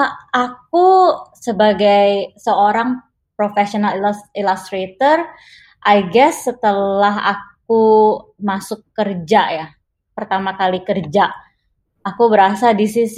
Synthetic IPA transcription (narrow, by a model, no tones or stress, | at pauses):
aak̚usəbaɡajsəoɾaŋ | pɾofeʃionalilast̪ɾet̪ər | ʔajɡɛsːət̪əlaɦa̰k̚umasʊkːərd͡ʒaja | pərt̪amakalikərd͡ʒaː | kubəɾasadisis